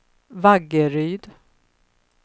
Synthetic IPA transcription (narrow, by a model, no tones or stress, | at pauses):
vaɡəɾyːd̪